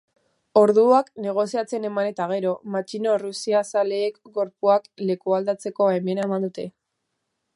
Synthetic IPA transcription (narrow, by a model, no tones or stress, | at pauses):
o̞ɾðuakne̞ɣ̞o̞siat͡se̞ne̞mane̞t̪aɣ̞e̞ɾo̞mat͡ʃino̞rusiasale̞ːkɡo̞ɾpuakle̞kuald̪at͡se̞ko̞emenaemand̪ut̪e̞